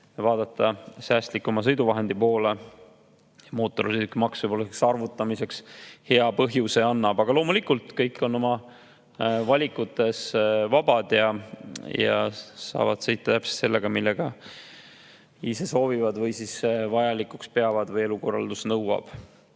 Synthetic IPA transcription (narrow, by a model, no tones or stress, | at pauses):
vɑːd̪̥ɑt̪ˑːɑsæːst̪likːˑomɑs̬ɤ̞jd̪uvɑɦe̞nd̪̥ipo̞ːle | jɑmo̞ːt̪ːˑo̞ɾsid̪ykːimɑksɨjpolːɑksɑrvut̪ˑːɑmise̞kshe̞ɑpɤɦjuse̞ɑnːɑb̥ɑɡ̥ɑlo̞ːmulikult̪ˑkɤjkːˑo̞nːo̞mɑ | vɑlʲikːˑut̪ːˑe̞svɑb̥ɑd̪̥jɑjɑ̰sɑ̰ːvɑd̪̥sejt̪ːˑɑt̪æpse̥t̪selːe̞ɡ̥ɑmilːe̞ɡ̥ɑ | ise̞so̞ːvivɑd̪vɤjsisvɑjɑlikːukspe̞ɑvɑd̪vɤje̞luko̞rːɑ̰ld̪̥usnɤwɑ̰b̥